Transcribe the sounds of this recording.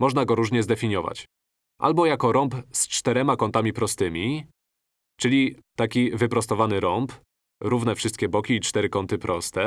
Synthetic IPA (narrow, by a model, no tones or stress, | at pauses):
mɔʐnaɡɔɾuʐɲɛzd̪ɛfʲiɲjɔva̰t͡ɕ | ʔa̰lbɔjakɔɾɔmpst͡ʂt̪ɛɾɛmakɔnt̪amʲipɾɔst̪ɘmʲi | t͡ʂɘlʲit̪akʲivɘpɾɔst̪ɔvanɘɾɔmp | ɾuvnɛfʂɘst̪̚kʲɛbɔkʲiːt͡ʂt̪ɛɾɘkɔnt̪ɘpɾʔɔst̪ɛ